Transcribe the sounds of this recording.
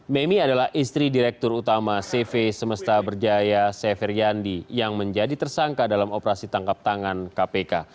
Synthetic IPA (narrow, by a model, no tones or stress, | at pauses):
mɛmiadalahʔist̪ɾidiɾɛk̚t̪ʊrut̪amasefesəməst̪abərd͡ʒajasɛfɛrjandijaŋməɲd͡ʒadit̪ərsaŋkadalamopɾasit̪aŋkap̚t̪aŋankapeka